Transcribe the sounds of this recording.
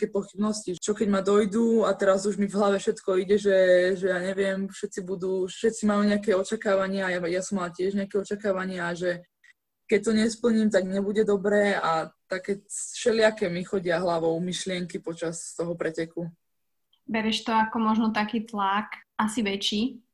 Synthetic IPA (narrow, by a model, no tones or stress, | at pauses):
akɛːpɔxibnɔscit͡ʃɔkɛɟmad̪ɔjd̪uat̪ɛɾazuʒmivɦlaʋɛfʃɛt̪kɔiɟɛʒɛʒɛjaːɲɛʋɪɛmfʃɛt͡sibud̪uːʃɛt̪t͡simajuɲɛakɛɔt͡ʃakaːʋaɲɪaajajasɔmalacɪɛʒɲɛakɛɔt͡ʃakaːʋaɲɪaʒɛ | kɛc̚t̪ɔɲɛspl̩ɲiːmt̪aɡɲɛbuɟɛd̪ɔbɾɛːat̪akɛːsʃɛlɪakɛmixɔɟɪaɦlaʋɔʊmiʃlɪɛŋkipɔt͡ʃast̪ɔɦɔpɾɛcɛku | bɛɾɛʃt̪ɔakɔmɔʒnɔt̪akiːt̪lakʔasiʋɛt͡ʃiː